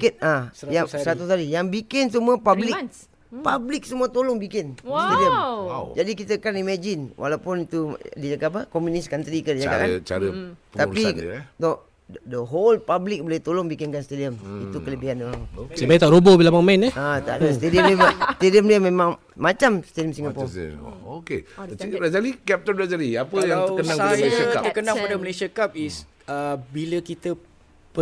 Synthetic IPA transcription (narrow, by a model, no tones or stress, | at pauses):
kət̪̚ajaŋsəɾat̪ut̪aɾijaŋbikɪnsəmuəpablɪk̚ | pablɪk̚səmuət̪olɔŋbikɪnst̪ediəmd͡ʒadikit̪əkanimad͡ʒinwʔa̰lapʊnit̪udid͡ʒakapəkomjuniskant̪ɾikədid͡ʒaaat͡ʃa̰ɾəəapino | ddəɦolpablɪk̚bolɛht̪olɔŋbikɪnkanst̪ediəmit̪ukələbiandəmaŋsebajit̪aʔɾobobilabaŋmainɛat̪a̰ʔdast̪ediəmdiast̪ediəmdiəmẽmãŋ | mat͡ʃamst̪ediəmsiŋɡapɔ̰okḛɾazalikɛp̚t̪ɔnɾazaliapəjaŋtəkənaŋaməlesaaəkənaŋpadaməlesakap̚is | əbiləkit̪ə | pə